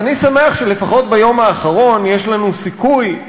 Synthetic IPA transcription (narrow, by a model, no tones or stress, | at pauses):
anisameaχʃele̞faχo̞tbajo̞maːχaʁo̞njeʃlanusikuj